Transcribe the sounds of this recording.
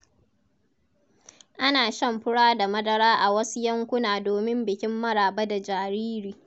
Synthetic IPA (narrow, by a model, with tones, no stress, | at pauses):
ʔa˦naː˨ʃɐ˦˨mɸɪ˦ɽaː˦da˨mɐ˦dɐ˦ɾaː˦ʔa˨wɐ˦su˦jɐ˦ŋkʷʊ˦naː˨doː˨mɪ˦mbɪ˨kʲɪ˦mːɐ˦ɽaː˨ba˦da˨d͡ʒaː˨ɾiː˦ɾiː˨